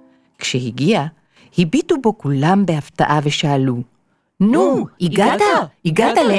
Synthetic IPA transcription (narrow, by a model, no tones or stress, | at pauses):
kʃehiɡia | hibitubo̞kulambehafta̰ʔaveʃaːlu | nuiɡataiɡatale